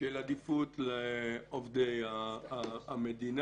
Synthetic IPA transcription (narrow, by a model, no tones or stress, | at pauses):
elad̪ifut̪leovd̪eja | amed̪in